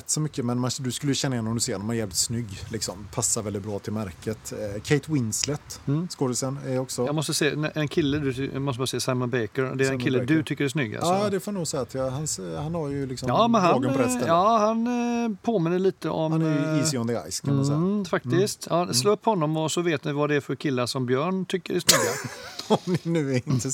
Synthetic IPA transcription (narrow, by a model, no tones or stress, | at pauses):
t̪ːsɔmʏkːəmɛnmand̪ɵskɵlːəjʉɕɛnːajɛnːɔmd̪ʉseːɾnɔmanjɛːvlɪt̪snʏɡːlɪksɔmpʰasːaɾvɛldɪt̪̚bɾɑːt̪ʰɪlmæɾkət̪kʰɛɪt̪wɪnslɛt̪ːskod̪ɪsənɛɾɔksɔjɑːɡmɔst̪əseːʔɛnkʰɪlːəd̪ʉmɔst̪əbɑɾsɛːasaɪmɔnbɛkəɾ̰d̪ɛæɾɛnkʰɪlːəd̪ɵt̪ʰʏkːəɾɛsnʏɡːa̰lsd̪ɛfoːmanuːɡsɛjat̪jɑhanshanhaɾjɵlɪksɔmɑːmɛnhaːɡəɔɾɛst̪əɑːhanpʰoːmɪnːəɭiːt̪əʔɔmɛɾjiːsjnd̪əa̰jskʰanmmɛfak̚t̪ɪst̪jɑːsloːɵpːhɔnːɔmɔsɔveːt̪nɪvad̪ɛæfœɾkʰɪlːaʂɔmbjœːɳt̪ʰʏkːəɾæʂnʏɡːaɔmɪnʉ̟ːɪnt̪ʰə